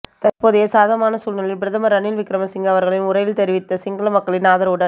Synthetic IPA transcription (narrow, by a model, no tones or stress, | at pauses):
t̪ɐrpoːðɪjesaːðɐmaːnɐsuːnɐɭɪlbɪɾɐðɐmɐɾɐnɪlʋɪkːɾɐmɐsɪŋɡɐʋɐɾɣɐɭɪnʊɾɐjɪlt̪ɛɾɪʋɪt̪ːɐsɪŋɡɐɭɐmɐkːɐɭɪnaːðɐɾɯɽɐn